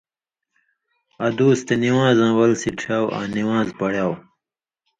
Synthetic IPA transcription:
ɐd̪uːst̪eniwãːzãːwɐlsiʈ͡ʂʰaːwʔã̰ːniwãːzpɐɽjaːw

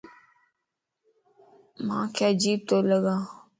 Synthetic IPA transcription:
mã̰ːkʰeəd͡ʒiːb̚t̪oːləɡãː

